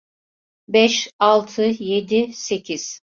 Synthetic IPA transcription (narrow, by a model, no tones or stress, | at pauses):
bɛʃalˠt̪ʰɯje̞d̪ise̞cʰiz̥